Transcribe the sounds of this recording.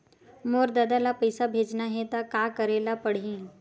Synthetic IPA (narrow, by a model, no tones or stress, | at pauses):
moːɾd̪əd̪alapəjsabʱeːd͡ʒnaɦet̪akakəɾelapəɽ̤ĩː